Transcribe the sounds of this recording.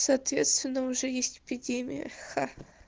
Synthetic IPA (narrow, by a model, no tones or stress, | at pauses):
sɐːt̪vʲet̪st̪vʲɪnːəʊʐɛjesʲtʲɪ̥pʲɪdʲemʲɪ̰jə̰xa